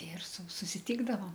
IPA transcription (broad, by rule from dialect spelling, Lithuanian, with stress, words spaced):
ɪr sʊ sʊsʲɪˈtʲiːɡdɐʋoːm